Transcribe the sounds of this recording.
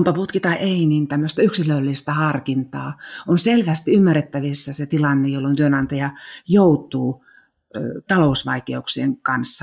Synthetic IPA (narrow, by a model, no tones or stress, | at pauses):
umpɑput̪kit̪ɑʔeinint̪æmːøst̪æyksilølːist̪æhɑrkint̪ɑːonselʋæst̪iymːæret̪ːæʋisːɑset̪ilɑnːejolːont̪yønɑnt̪ɑjɑjout̪ˑuː | t̪ɑlousʋɑ̰ikeuksieŋkɑnsːɑ